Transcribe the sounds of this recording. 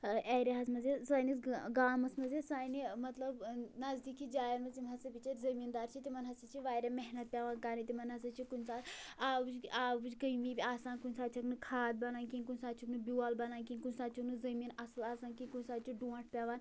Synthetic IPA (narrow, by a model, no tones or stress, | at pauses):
eɾʲeɦɐzmɐzesaːnisɡaːmɐsmɐzesaːnimɐt̪lɐbnɐzd̪ikid͡ʒaːjɐnmɐzimɦɐsɐpʲit͡ʃɐɾzɐmiːnd̪aːɾt͡ʃʰit̪imɐnɦɐsɐt͡ʃʰiʋaːɾʲemeɦnɐt̪̚pʲeʋaːnkaːnit̪imɐnɐsɐt͡ʃʰikunsaːd̪aːbɨd͡ʒaːbɨd͡ʒkɐiʋiːbʲiaːsaːnkunʲsaːt̪̚t͡ʃʰɐknɨkʰaːt̪̚bɐnaːnkinʲkunʲsaːt̪t͡ʃʰiknɨbʲualbɐnaːnkinʲkunʲsaːt̪t͡ʃʰuknɨzɐmiːnɐslaːsaːnkinʲkunʲsaːt̪̚t͡ʃʰiɖuɐʈʰpʲeʋaːn